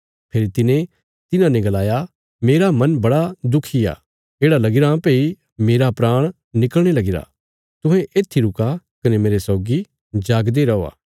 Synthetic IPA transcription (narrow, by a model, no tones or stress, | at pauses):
pʰeːɾit̪ɪnẽ | t̪ɪnãnẽɡɐlaːja | meːɾamɐnbɐɽad̪ʊkʰːija̰ | eːɽalɐɡɪɾãpei | meːɾapɾaːɽ̃ | nɪkəlɽ̃elɐɡɪɾa̰ | t̪ʊ̃ɦẽʔeːt̪ʰiɾʊkakɐnemeːɾesɔːɡi | d͡ʒaːɡd̪eɾɐoa̰ː